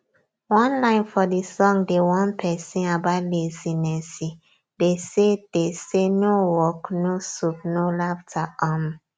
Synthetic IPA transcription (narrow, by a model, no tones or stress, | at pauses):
wɔ̃nlãɪ̃nfɔdisɔ̃ŋdewɔ̃npʰɛsĩnabalezinɛsi | desed̥esenowɔknosup̚nolaftʰaɔm